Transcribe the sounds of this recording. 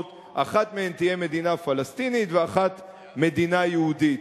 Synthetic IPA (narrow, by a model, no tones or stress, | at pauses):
t̪ | ʔa̰χat̪mehemt̪ije̞me̞d̪inafalast̪init̪veaχat̪ | me̞d̪inajehud̪it̪